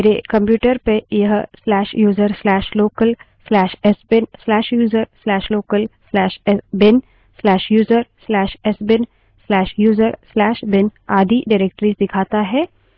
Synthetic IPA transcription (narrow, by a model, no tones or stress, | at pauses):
ɾekɐ̃mpjuːʈəɾpejɐɦslɛːʃjuːzəɾslɛːʃloːkəl | slɛːʃɛsbɪnslɛːʃjuːzəɾslɛːʃloːkəlslɛːʃɛbɪn | slɛːʃjuːzəɾslɛːʃɛsbɪn | slɛːʃjuːzəɾslɛːʃbɪnaːd̪ʱiɖaɪɾeːk̚ʈɾid̪ɪkʰaːt̪aɦɛː